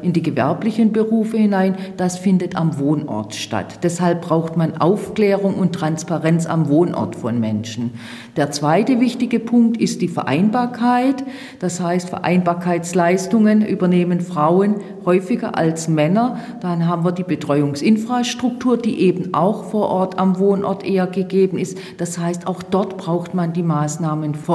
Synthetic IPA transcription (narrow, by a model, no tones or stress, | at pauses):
ʔɪndiːɡəvɛ̰ɐplɪçənbəʁuːfəhɪnaɪnd̥asfɪndətamvoːnʔɔ̰ɐtʃta̰td̥ɛshalp̚b̥ʁaʊxtmanʔa̰ʊfkl̥ɛːʁ̞ʊŋʊntʁ̥anspaʁɛnt͡sa̰mvoːnʔɔ̰ɐtfɔnmɛnʃn̩ | d̥eːɐt͡sv̥aɪtəvɪçtɪɡəpʰʊŋk̚tɪstd̥iːfɛɐʔa̰ɪnbaːɐkʰaɪt | d̥ashaɪstfɛɐʔa̰ɪnbaːɐkʰaɪt͡slaɪstʊŋənʔy̰ːbɐneːmənfʁ̥aʊən | hɔʏfɪɡɐ̰ʔa̰lsmɛnɐ | d̥anɦaːbm̩viːɐdiːbətʁ̥ɔʏʊŋsʔɪnfʁ̥aːʃtʁ̥ʊk̚tʰuːɐd̥iːʔeːbn̩ʔa̰ʊxfoːɐʔɔɐtamvoːnʔɔ̰ɐtʔeːɐɡəɡeːbn̩ɪst | d̥ashaɪstaʊxd̥ɔɐtb̥ʁaʊxtmandiːmaːsnaːmənf